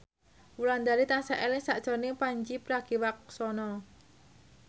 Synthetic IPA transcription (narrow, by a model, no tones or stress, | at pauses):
wuland̪aɾit̪ansɛʔɛlɪŋsaʔsɔnipaɲd͡ʒipɾaɡ̥iwak̚sɔnɔ